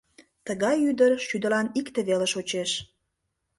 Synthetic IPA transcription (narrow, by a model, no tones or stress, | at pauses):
t̪əɣɑjyd̪ərʃyd̪əlɑnikt̪eβeleʃot͡ɕeʃ